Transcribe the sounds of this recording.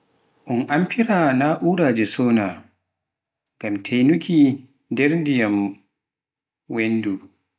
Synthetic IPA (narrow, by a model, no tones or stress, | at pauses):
ʔʊnʔampʰiɾanaʔuːɾad͡ʒɛsɔːna | ɡ̥amtʰejnukʰʲi | dɛɾndijam | wɛndu